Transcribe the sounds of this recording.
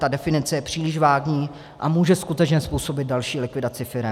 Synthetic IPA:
t̪adɛfɪnɪt͡sɛjɛpr̝̥iːlɪʃvaːɡɲiː | ʔa̰muːʒɛskut̪ɛt͡ʃɲɛspuːso̞bɪd̪̚dalʃiːlɪkvɪdat͡sɪfɪɾɛ

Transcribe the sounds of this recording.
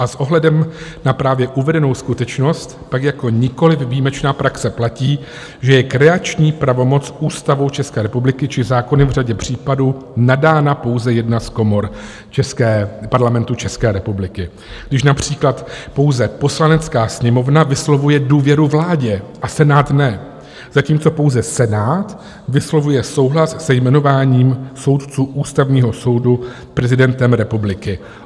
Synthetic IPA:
ʔasʔo̞ɦlɛdɛmnapɾaːvjɛʔuvɛdɛno̞wskut̪ɛt͡ʃno̞st̪pakjako̞ɲɪko̞lɪfviːmɛt͡ʃnaːpɾaksɛplaciː | ʒɛjɛkɾɛat͡ʃɲiːpɾavo̞mo̞t͡sʔuːst̪avo̞wt͡ʃɛskɛːɾɛpublɪkɪt͡ʃɪzaːko̞nɪvr̝aɟɛpr̝̥iːpaduːnadaːnapo̞wzɛjɛdnasko̞mo̞ɾ | t͡ʃɛskɛːpaɾlamɛnt̪ut͡ʃɛskɛːɾɛpublɪkɪ | ɡdɪʃnapr̝̥iːklat̪po̞wzɛpo̞slanɛt͡skaːsɲɛmo̞vnavɪslo̞vujɛduːvjɛɾuvlaːɟɛʔasɛnaːt̪nɛ | z̥aciːmt͡so̞po̞wzɛsɛnaːt̪ | vɪslo̞vujɛso̞wɦlassɛjmɛno̞vaːɲiːmso̞wt̪t͡suːʔuːst̪avɲiːɦo̞so̞wdu | pɾɛzɪdɛnt̪ɛmɾɛpublɪkɪ

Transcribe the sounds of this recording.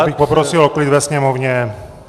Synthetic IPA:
bixpɔpɾɔsilɔklid̪ʋɛsɲɛmɔvɲɛ

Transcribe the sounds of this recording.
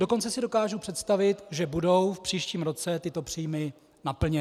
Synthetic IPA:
do̞ko̞nt͡sɛsɪdo̞kaːʒupr̝̥ɛt̪st̪avɪt̪ʒɛbudo̞wfpr̥iːʃciːmɾo̞t͡sɛt̪ɪt̪o̞pr̥iːmɪ | napl̩ɲɛ

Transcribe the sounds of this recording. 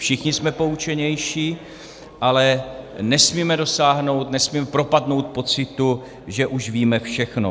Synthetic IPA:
fʃɪxɲɪsmɛpo̞ut͡ʃɛɲɛjʃiː | ʔalɛnɛsmiːmɛdo̞saːɦno̞wt̪nɛsmiːmɛpɾo̞padno̞wt̪̚po̞t͡sɪt̪u | ʒɛʔuʒviːmɛfʃɛxno

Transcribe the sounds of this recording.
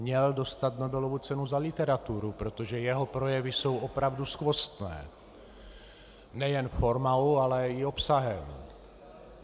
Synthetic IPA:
mɲɛldo̞st̪at̪no̞bɛlovut͡sɛnuzalɪt̪ɛɾat̪uɾupɾo̞t̪o̞ʒɛjɛɦo̞pɾo̞jɛvɪso̞wʔo̞pɾavduskvo̞st̪nɛ̰ː | nɛjɛnfo̞ɾmawalɛɪo̞psaɦɛm

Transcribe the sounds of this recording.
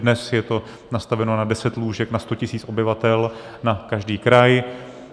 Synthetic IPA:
dnɛsjɛt̪o̞ | nast̪avɛno̞nadɛsɛt̪luːʒɛknast̪ocɪsiːt͡so̞bɪvat̪ɛlnakaʒdiːkɾaj

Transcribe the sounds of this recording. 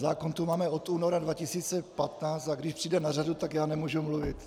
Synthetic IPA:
zaːkont̪umaːmɛot̪uːnoɾadvacɪsiːt͡sɛpat̪naːt͡st̪aɡdɪʃpr̥iːdɛnaradut̪akjaːnɛmuʒumluvɪt̪

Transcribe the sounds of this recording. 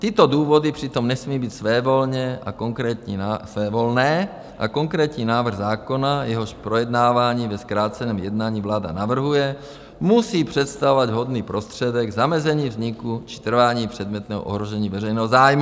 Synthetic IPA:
t̪it̪od̪uːvod̪ipr̝̥it̪omnɛsmiːbiːt̪sʋɛːvolɲɛʔa̰koŋkɾɛːt̪ɲiasʋɛːvolnɛː | ʔa̰koŋkɾɛːt̪ɲiːnaːvr̩ɣzaːkonajɛɦoʃpɾojɛd̪naːvaːɲiːvɛskɾaːt͡sɛnɛːmjɛd̪naːɲiːvlaːd̪a̰navr̩ɦujɛ | musiːpr̝̥ɛt̪st̪avovaɟɦod̪niːpɾost̪r̝̥ɛd̪ɛɡzamɛzɛɲiːvzɲikut͡ʃi̥t̪r̩vaːɲiːpr̝̥ɛd̪mɛt̪nɛːɦɔ̰ʔo̰ɦɾoʒɛɲiːvɛrɛjnɛːɦɔzaːjmu

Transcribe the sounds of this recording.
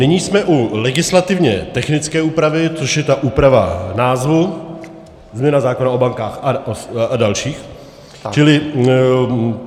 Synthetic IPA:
nɪɲiːsmɛʔulɛɡɪslat̪ɪvɲɛ̰t̪ɛxnɪt͡skɛːuːpɾavɪt͡soʃjɛt̪aʔuːpɾava̰naːzvu | zmɲɛnazaːkonaʔo̞baŋkaːxaadalʃiːx | t͡ʃɪlɪ

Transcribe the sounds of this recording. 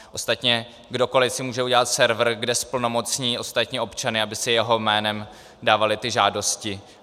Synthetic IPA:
ʔo̞st̪at̪ɲɛ | ɡdo̞ko̞lɪsɪmuːʒɛuɟɛlat̪sɛɾvr̩ɡdɛspl̩no̞mo̞t͡sɲiːʔo̞st̪at̪ɲiʔo̞pt͡ʃanɪabɪsɪjɛɦo̞mɛːnɛm | daːvalɪt̪ɪʒaːdo̞scɪ

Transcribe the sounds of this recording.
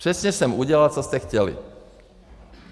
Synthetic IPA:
ɾɛsɲɛsɛmuɟɛlat͡sɔst̪ɛxcɛlḭ

